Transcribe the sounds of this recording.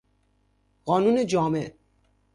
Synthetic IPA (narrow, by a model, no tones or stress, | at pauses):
ɢɔːnuːned͡ʒɒːme